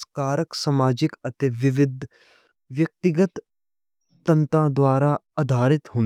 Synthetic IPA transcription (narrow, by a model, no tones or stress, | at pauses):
skaːɾəksɐmaːd͡ʒɪkɐt̪eːʋɪʋɪd̪ʱ | ʋjɐk̚t̪ɪɡət̪ː | ɐ̃nt̪ãːd̪waːɾaː | ɐd̪ʱaːɾɪt̪ɦʊ̃n